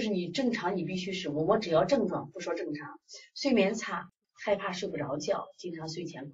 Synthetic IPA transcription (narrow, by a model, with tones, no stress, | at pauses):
ʂɻ̩˥˩ni˨˩ʈ͡ʂɤ˥˩ŋʈ͡ʂʰɑ˧˥ŋni˨˩p̬i˥˩ɕy˥ʂɻ̩˨˩u˥˩wɔ˧˥ʈ͡ʂɻ̩˨˩jɑ˥˧ʊʈ͡ʂɤ˥˧ŋʈ͡ʂwɑ˥˩ŋpu˥˩ʂwɔ˥ʈ͡ʂɤ˥˩ŋʈ͡ʂʰɑ˧˥ŋswe˥˩ɪmjɛ˧˥nt͡sʰa˨˩ | xa˥˧ɪpʰa˥˧ʂwe˥˧ɪpu˥ʈ͡ʂɑ˧˥ʊt͡ɕjɑ˥˩ʊt͡ɕi˥ŋʈ͡ʂʰɑ˧˥ŋswe˥˩ɪt̪ʰjɛ˧˥n